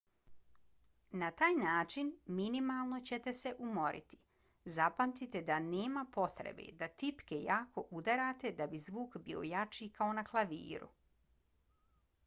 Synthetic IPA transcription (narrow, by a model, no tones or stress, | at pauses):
nat̪aːjnaːt͡ʃinminimalˠno̞t͡ɕe̞t̪e̞se̞ʔumo̞ɾʔḭt̪i̥ | zapamt̪it̪e̞d̪aneːmapo̞t̪ɾḛbḛd̪at̪ipke̞jaːko̞ʔud̪aɾaːt̪e̞d̪abizʋuːkbḭːo̞̰jat͡ʃikao̞naklˠaʋḭːɾṵ